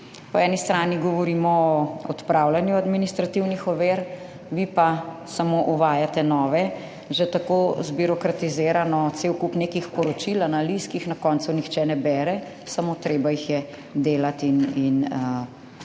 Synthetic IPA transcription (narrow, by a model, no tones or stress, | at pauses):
pɔɛːnist̪ɾaːniɡɔʋɔɾiːmɔɔɔt̪pɾawlanjuad̪minist̪ɾat̪iwnixɔʋeːɾ | ʋipasamoʔuʋaːjat̪ɛnɔːʋɛ | ʒɛt̪akozbiɾɔkɾat̪izeːɾanɔt̪sewkupneːkixpɔɾɔt͡ʃilanaliskixnakɔnt̪sunixt͡ʃɛnɛbɛːɾɛ | samot̪ɾeːbajixjɛ | d̪eːlat̪inin